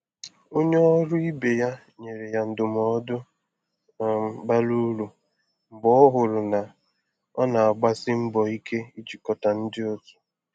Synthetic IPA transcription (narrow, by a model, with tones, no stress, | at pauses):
o˦ɲe˦ɔ˦ɾʊ˦i˦be˨ja˦ | ɲe˨ɾe˨ja˨n̩˨dʊ˨m˨ɔ˨˦dʊ˦˨˦ | ba˦lu˦ɾu˨ | m̩˨bɔ˦ɔ˦ɦʊ˨ɾʊ˨na˨ | ɔ˦na˨a˨ɡ͡ba˦sɪ˦m̩˦bɔ˨i˦kʰe˦i˦t͡ʃi˨kɔ˨ta˨n̩˦dɪ˦o˦tʊ̥˨